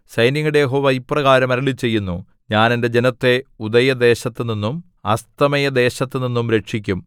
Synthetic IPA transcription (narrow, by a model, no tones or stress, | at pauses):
sɐjniŋːuɽejeɦo̞ːʋɐipːrɐɣaːɾɐmɐɾɐɭit͡ɕe̞jːunːu | ɲaːne̞nde̞d͡ʑe̞nɐt̪ːe̞ud̪ɐjɐd̪e̞ːɕɐt̪ːɨninːum | ɐst̪ɐmɐjɐd̪e̞ːɕɐt̪ːɨninːumɾe̞ʂikʲːum